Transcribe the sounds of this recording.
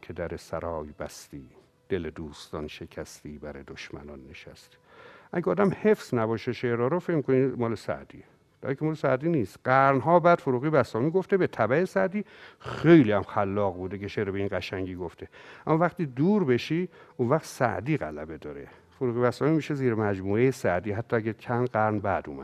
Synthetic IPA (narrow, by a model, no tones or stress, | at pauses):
kʰed̪æɾesæɾɒːjbæst̪iː | d̪̥eled̪uːst̪ɒnʃecʰæst̪iːbæɾed̪oʃmæ̰nɒnːeʃæ̰st̪iʔæɟeɒːd̪æmhe̞fz̥næbɒːʃeʃeɾɒːɾofecmikʰonimɒːlesæ̰ʔd̪̥iː | d̥̪ɒ̰ːjikʰemɒːlesæd̪iːniːst̪ɢæɾnɦɒːbæd̪̥foɾuːɣiːbæsɒːmiːɡoft̪ebet̪ʰæbæesæd̪iːxejliːæmxælːɒːɣbuːd̪eceʃeːɾebeiːnɡæʃæŋɟiːɡoft̪ʰeæmːɒvæχt̪iːd̪uːɾbe̞ʃiːunvæχt̪sæ̰ʔd̪iːɣælæbe̞d̪ɒːɾe | foɾuːɣibæsɒːmiːmiːʃeziːɾemæd͡ʒmuːejesæʔd̪iːɦæt̪ːɒːæɟækʰænɡæɾnbæd̪ṵːmæ̰̥